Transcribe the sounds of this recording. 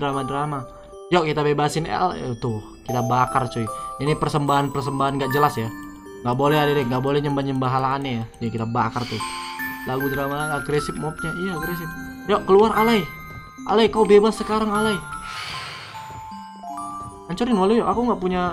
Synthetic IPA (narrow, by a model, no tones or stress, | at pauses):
dɾamadɾama | jɔkit̪abebasɪnɛ̰lt̪ʊhkit̪abakart͡ʃoiinipərsəmbaɦanpərs̬əmbaɦanɡaʔd͡ʒəlasja | ŋɡaʔbolɛhadaɾɛŋɡaʔbolɛhɲəmbaɲəmbaɦalaːnajad͡ʒakit̪abakart̪ʊlaɡudɾamaaɡɾesɪp̚mɔp̚ɲaijaɡɾesɪp̚ | jɔʔkəluaɾʔalai | ʔa̰laikaubebasːəkaɾaŋalai | aɲt͡ʃuɾɪnwalujɔʔakuŋɡaʔpuɲa